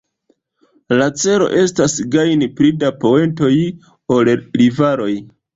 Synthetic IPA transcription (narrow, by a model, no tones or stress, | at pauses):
lat͡se̞ɾo̞̰ʔe̞stasɡajnipɾidapo̞e̞nto̞j | o̞lɾivaɾo̞j